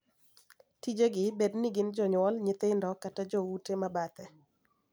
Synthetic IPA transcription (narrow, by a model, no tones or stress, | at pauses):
tid͡ʒeɡɪbedniɡɪnd͡ʒɔɲwɔlɲɪt̪ɪndɔkatad͡ʒɔwutemabat̪ɛ